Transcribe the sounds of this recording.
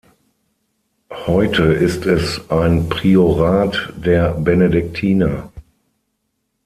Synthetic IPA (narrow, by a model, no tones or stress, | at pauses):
hɔɪtʰəɪstɛsʔaɪnpʁ̥ioʁaːtd̥eːɐbɛnedɪk̚tʰiːna